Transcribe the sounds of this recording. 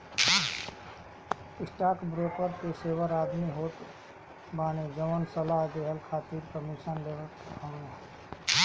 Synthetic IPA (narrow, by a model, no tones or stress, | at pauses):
ɪsʈaːkbɾoːkəɾkeseːʋəɾaːd̪miɦoːʈ̪ | baːned͡ʒəʋənsəlaɦd͡ʒeɦəlkʰaːt̪iːɾkəɾmiʃənleːʋə | kʰãːna